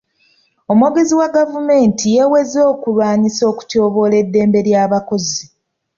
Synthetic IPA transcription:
o̞moɡeziwaɡavume̞ːntʰijewe̞zoːkulwaːɲiso̞ːku̥to̞ːβo̞le̞dːe̞ːmbe̞ɾjaːβako̞zi

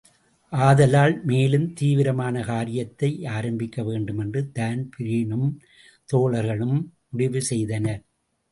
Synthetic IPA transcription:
ʔaːðɐlaːlmeːlɯmt̪iːʋɪɾɐmaːnɐkaːɾɪjɐt̪ːɐɪʔaːɾɐmbɪkːɐʋeːɳɖɯmɛndrɯd̪aːnpɪɾɪɳɯm | t̪oːɭɐɾɣɐɭɯm | ʊɽɪʋɯsɛjðɐnɐ

